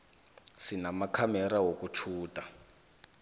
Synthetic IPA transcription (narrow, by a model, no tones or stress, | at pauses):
sinamakʰamɛɾaɦokut͡ʃʰuːtʼa